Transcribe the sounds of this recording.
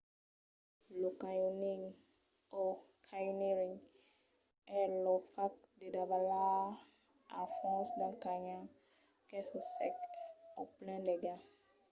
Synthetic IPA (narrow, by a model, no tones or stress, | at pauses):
lokajɔnĩŋ | ɔkʰajuniɾĩŋ | ɛlɔfak̚dedabala | a̰fɔ̃sdãkaɲã | kɛsɔsɛkɔplɛ̃ndɛɡa